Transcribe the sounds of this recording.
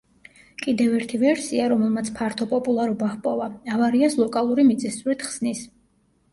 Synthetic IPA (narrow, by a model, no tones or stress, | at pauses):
kʼid̪ɛvɛɾt̪ʰivɛɾsiaɾɔmɛlˠmat̪sʰpʰaɾt̪ʰɔpʼɔpʼulˠaɾɔbaχpʼɔvaavaɾiaslˠɔkʼalˠuɾimit̪sʼisuɾɛt̪χsnis